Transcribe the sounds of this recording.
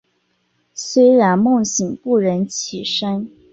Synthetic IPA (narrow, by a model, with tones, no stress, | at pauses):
swe˥ɪɻa˧˥nmʊ˥˩ŋɕi˨˩ŋpu˥˩ɻə˧˥nt͡ɕʰi˨˩ʂa˥n